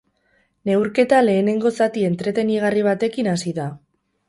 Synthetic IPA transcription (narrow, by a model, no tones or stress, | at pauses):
ne̞wɾke̞t̪ale̞ːne̞ŋɡo̞sat̪ie̞nt̪ɾe̞t̪e̞niɣ̞ariβ̞at̪e̞kinasiða